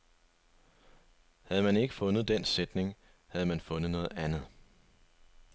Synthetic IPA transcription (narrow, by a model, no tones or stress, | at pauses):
hæð̞̩ˠmæne̝ɡ̥əfɔ̽nð̩ˠd̥ensed̥ne̝ŋ | hæð̞̩ˠmænfɔ̽nð̩nɔ̽ːð̞̩ˠænð̞̩ˠ